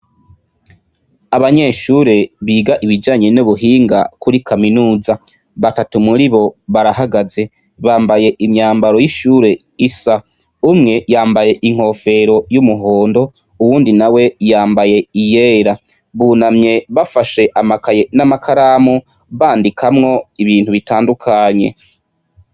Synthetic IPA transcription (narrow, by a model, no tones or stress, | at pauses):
aβaɲeʃuːɾe̞βiːɡaʔiβid͡ʒaːɲenuβuɦiːŋɡa̰kuɾikʰaminuːza | βatatumuɾiβo̞βaɾaɦaɡaze̞ | βaːmbaje̞ʔimɲaːmbaɾo̞jiʃuːɾe̞ | isa | umŋe̞jaːmbaje̞ʔiŋ̥o̞ːfe̞ɾo̞jumuɦoːndo̞ | uwuːndinawe̞jaːmbaje̞ijeːɾa | βunamɲe̞βafaʃe̞ʔamakajenamakʰaɾamo | βaːndikʰamŋo̞iβiːn̥huβitaːndukʰaɲe̞̰